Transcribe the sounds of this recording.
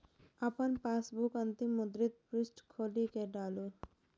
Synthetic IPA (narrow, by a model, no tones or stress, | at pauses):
apənpasbukənt̪imːud̪ɾit̪̚pɾisʈkʰolikeɖalu